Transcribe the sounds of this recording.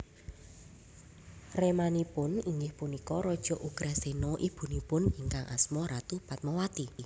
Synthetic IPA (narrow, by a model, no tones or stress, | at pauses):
remanipʊniŋɡɪhpunikɔɾɔd̥ʒ̥ɔ̤ʔuɡ̥ɾasenɔʔib̥ṳnipʊniŋkaŋʔa̰smɔɾat̪upat̪̚mɔwat̪i